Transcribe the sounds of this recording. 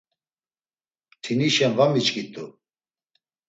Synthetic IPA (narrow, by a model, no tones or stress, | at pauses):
t̪ʰiniʃɛnvamit͡ʃʼkʼit̪ʼu